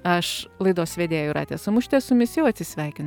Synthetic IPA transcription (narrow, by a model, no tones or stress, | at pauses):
ɐʃlˠɐɪd̪oːsʋʲeːd̪ʲeːjʊɾʔɑ̰ːt̪ʲeːsʊmʊʃʲt̪ʲɛsʊmʲɪsʲɪjɛʊɐt̪ʲsʲɪsʲʋʲɛɪkʲɪnʊ